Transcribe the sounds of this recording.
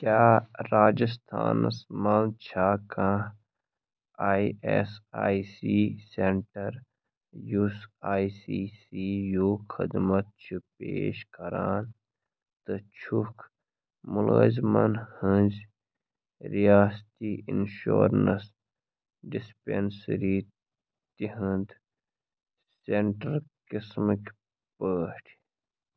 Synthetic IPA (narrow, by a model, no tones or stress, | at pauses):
kʲaːɾaːd͡ʒist̪ʰa̰ːnɐ̰smaːnt͡ʃʰaːkãː | aːiesaːisiːseɳʈɐɾ | jusaːisisiːjoːxʰid̪mɐt̪̚t͡ʃʰipḛːʃkɐɾaːn | t̪ɨt͡ʃʰukʰ | mulɣɐ̰zmɐnhɨ̃nz | ɾijaːst̪iːḭnʃo̰ːɾnɐs | ɖispensɾiː | t̪iɦɨ̃nd̪ | seɳʈɐɾkismik | pəːʈʰ